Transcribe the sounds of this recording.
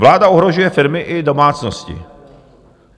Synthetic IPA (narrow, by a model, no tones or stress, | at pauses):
vlaːdaoɦɾoʒujɛfɪɾmɪʔɪdo̞maːt͡snoscɪ̰